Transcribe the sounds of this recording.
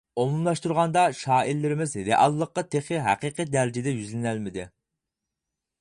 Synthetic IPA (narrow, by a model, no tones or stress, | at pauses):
omumlˠɑʃt̪uɾʁɑnd̪ɑʃɑːilːɪɾɪmɪzɾeʔɑlˠːəqːɑt̪ʰeχɪɦæ̰qiːqɨd̪æɾɪd͡ʒɪd̪ɛjyzlɪnælmɪd̪ɪ